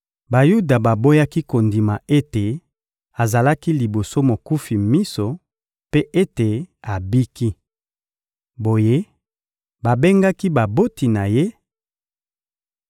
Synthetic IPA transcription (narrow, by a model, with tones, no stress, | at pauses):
ba˨ju˦da˨ba˨bo˦ja˦ki˦ko˨ndi˨ma˨e˦te˨ | a˨za˨la˦ki˦li˨bo˨so˦mo˨ku˦fi˨mi˦so˨ | pe˦ʔe˦te˨a˨bi˦ki˦ | bo˨je˦ | ba˨be˦ŋɡa˦ki˦ba˨bo˦ti˨na˨je˦